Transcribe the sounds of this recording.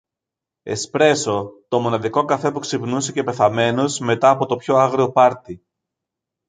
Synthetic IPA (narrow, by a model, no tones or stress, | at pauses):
e̞̰spɾe̞so̞t̪o̞mo̞nɐðiko̞kɐfe̞puksipnusece̞pe̞θɐme̞nozme̞t̪ɐːpo̞t̪o̞pço̞ɐɣɾio̞pɐɾt̪i